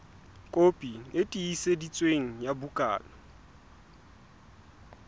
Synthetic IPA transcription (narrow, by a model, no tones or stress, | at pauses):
kʼopʼietʼiːsedit͡sʼweŋ̩jabukʼa̰ːlɔ